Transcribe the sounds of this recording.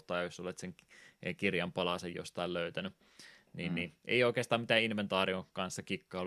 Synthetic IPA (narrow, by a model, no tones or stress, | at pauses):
t̪ɑːjɑjosolet̪seŋkirjɑmpɑlɑsejjo̰st̪ɑiløyt̪æny | niːnnːiḛioikeːst̪ɑːmit̪æːinʋent̪ɑːriokɑnsːɑkikːɑːl